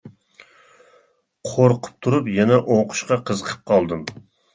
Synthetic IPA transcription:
qʰoɾqʰʊ̥p̚t̪ʰuɾupjɛnɛʔoqʰʊ̥ʃqɑqʰəzəqʰə̥p̚qʰɑlˠd̪ɨm

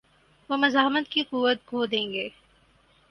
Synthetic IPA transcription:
ʋoːmɐzaːɦmət̪kiquːʋət̪̚ɡʱoːd̪ẽːŋɡeː

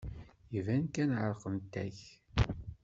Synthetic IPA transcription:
ivænkænʕəɾˤqənt̪ːæ̰ç

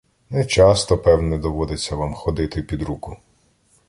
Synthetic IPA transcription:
nɛt͡ʃɑst̪ɔpɛwnɛd̪ɔʋɔd̪et͡sʲːɐʋamxɔd̪ɪt̪ɪpʲid̪ɾukʊ

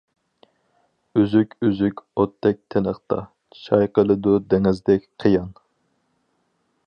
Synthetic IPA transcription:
yzykʲyzykʲot̪ʰːɛk̚ʲt̪ʰenəχt̪ɑ̰ | t͡ʃʰɑjqəlˠɨd̪ud̪ɛŋɪzd̪ɛkʲqʰəjɑn

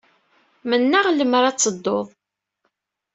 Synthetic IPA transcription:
mənːaʁləmɾˤat͡sːəd̪ːoðˤ

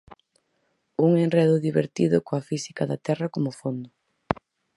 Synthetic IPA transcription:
uŋenreðʊðiβeɾt̪iðʊkoafisikɐðɐt̪ɛrɐkomʊfond̪ʊ

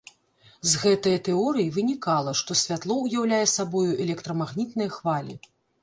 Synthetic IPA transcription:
zɣɛt̪ɐjɐt̪ɛɔɾɨjivɨnʲikalˠɐʂt̪ɔsʲvʲat̪lˠɔujawlʲajɛsabɔjuʔɛlʲɛkt̪ɾɐmaɣnʲit̪nɐjɐxvalʲḭ

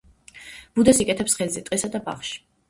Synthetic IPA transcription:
b̥ud̪asikʼɛt̪ʰɛpsχɛlzɛt̪ʼisad̪aba̰χʃi̥

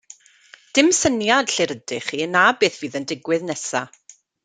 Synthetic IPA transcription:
d̥ɪmsənjad̥ɬɪɾədɪχiːnabeːθviːðəndɪɡwɨðnɛsa̰

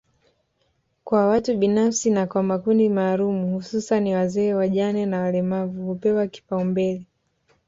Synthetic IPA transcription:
kwawatuɓinafsinakwamakundimaːlumuhususaniwazɛːwaʄanɛnawalɛmavuhupɛwaki̥paumbɛlɛ

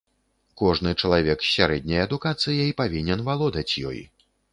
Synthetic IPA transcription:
kɔʐnɨt͡ʂɐlˠavʲɛksʲaɾɛd̪ʲnʲɐjɐd̪ukat̪sɨjɐjpavʲinʲɛnvalˠɔd̪ɐt͡sʲjɔ̰j

